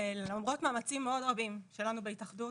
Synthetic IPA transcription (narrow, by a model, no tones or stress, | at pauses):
llamʁo̞tmaːmat͡simːeo̞dʁabimʃe̞lanubeitaχdu